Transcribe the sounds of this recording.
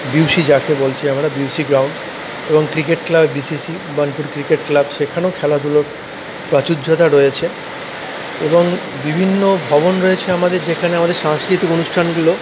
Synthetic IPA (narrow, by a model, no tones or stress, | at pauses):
biwʃid͡ʑakebolt͡ɕʰeamɾabiwʃiɡɾawɳɖ | eboŋkɾikeʈklabːisisi | banipuɾkɾikeʈklabʃekʰanokʰɛlad̪uloɾ | pɾat͡ɕudd͡ʑʱot̪aɾojet͡ɕʰe | eboŋ | bibʱinːobʱɔbonɾojet͡ɕʰeamad̪eɾd͡ʑekʰaneamad̪eɾʃaŋskɾit̪ikonuʃʈʰanɡulo